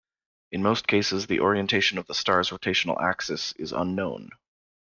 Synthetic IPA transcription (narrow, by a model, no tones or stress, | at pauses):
ʔɨ̃nmoʊskʰeɪsɨzðiʔɔɹiɨ̃ntʰeɪʃɨ̃nʌvðəstɑɹzətʰeɪʃn̩l̩ˠæ̰ksɛsɪ̰zʌ̰̃nːõʊ̃n